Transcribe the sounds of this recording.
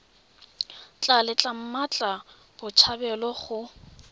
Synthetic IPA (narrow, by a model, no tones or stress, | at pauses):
t͡ɬʼalɪt͡ɬʼam̩mat͡ɬʼa | bʊt͡ʃʰabɛlɔχʊ